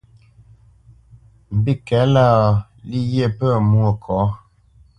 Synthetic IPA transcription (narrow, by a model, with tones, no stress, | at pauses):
m̩˨bi˦kɛ˨˦la˦˨ | li˦je˦˨pə˦˨mwo˨kʰɔ˨˦